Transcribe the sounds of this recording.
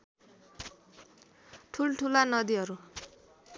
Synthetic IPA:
ʈʰulʈʰulanʌd̪iɦʌɾu

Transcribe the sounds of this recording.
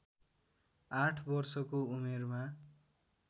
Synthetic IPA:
ãʈʰbʌrsʌkoumerma

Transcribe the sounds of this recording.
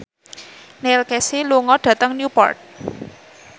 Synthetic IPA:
nelkɛsiluŋɔɖ̥ä̤t̪əŋnjupɔ̰rt̪̚

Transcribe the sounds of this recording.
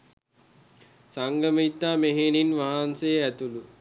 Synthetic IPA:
saŋɡəmit̪ːaːmeɦeninʋaɦansejæt̪ulu

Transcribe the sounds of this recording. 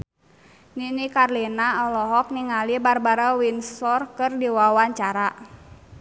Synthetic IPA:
ninikarlinaɔlɔɦɔk̚niŋalibarbaɾawinsɔrkɨrdiwawaɲt͡ʃaɾa

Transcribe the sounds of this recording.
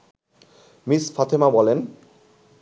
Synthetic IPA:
misfat̪ʰemabɔlen

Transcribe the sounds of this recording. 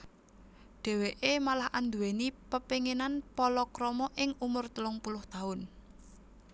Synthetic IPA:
ɖ̥ɛ̤weʔemalahʔand̪uwenipəpiŋenanpɔlɔkɾɔmɔʔɪŋumʊrt̪əlʊŋpulʊht̪aʊn

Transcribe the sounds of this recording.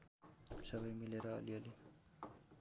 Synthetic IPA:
sʌbʌjmileɾʌ̰ːliʌli

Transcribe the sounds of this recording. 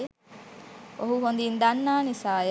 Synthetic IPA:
oɦuɦond̪ind̪anːaːnisaːj

